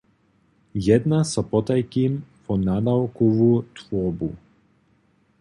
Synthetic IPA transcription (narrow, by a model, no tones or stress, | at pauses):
jɛd̪nasɔpɔt̪ajkimpɔnad̪awkuvut̪vɔbṵ